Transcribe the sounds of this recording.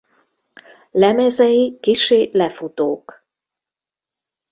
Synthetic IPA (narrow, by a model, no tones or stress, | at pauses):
lɛmɛzɛjikiʃeːlɛfut̪oːk